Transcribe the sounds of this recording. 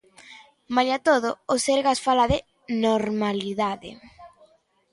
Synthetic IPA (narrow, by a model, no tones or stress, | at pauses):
majat̪oðʊoseɾɣasfalaðɪ | noɾmaliðaðɪ̰